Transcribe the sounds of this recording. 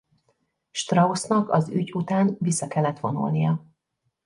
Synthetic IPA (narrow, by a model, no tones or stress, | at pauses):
ʃt̪rɒosnɒkɒzyɟut̪aːnvisːɒkɛlːɛt̪ʋo̞nṵlnijɒ